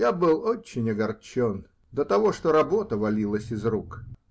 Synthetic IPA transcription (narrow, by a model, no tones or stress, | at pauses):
jabɨlˠot͡ɕːɪnʲɐɡɐrt͡ɕon | d̪ət̪ɐvo̞ʂt̪oɾɐbo̞t̪əvɐlʲilˠəsʲɪzruk